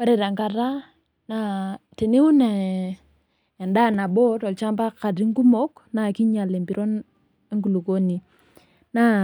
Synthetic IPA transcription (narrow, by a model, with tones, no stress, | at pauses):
wa˦ɾe˨ɾa˨ŋka˨ɾa˦ | na˦te˨ni˦u˦na˨ | nda˦˨na˨bo˦tɔ˨lt͡ʃa˦mba˦ka˨di˦ŋ˦ɡu˦mo˦k | na˨ki˦ɲa˨le˨mbi˨ɾo˦n | e˦ŋɡu˨lu˨ko˦ni˨ | na˦